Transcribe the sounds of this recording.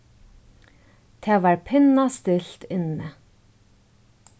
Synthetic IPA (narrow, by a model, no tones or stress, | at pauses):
t̪ʰeːʋɑːɹpʰɪnast̪ɪlt̪ɪnə